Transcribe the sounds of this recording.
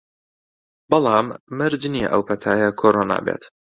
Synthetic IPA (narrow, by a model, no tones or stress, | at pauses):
b̥ɑlɑːmːɐɾd͡ʒniːʔɐ̰wpɐt̪ʰaːjakʰoːɾoːna̰ːbḛːt̪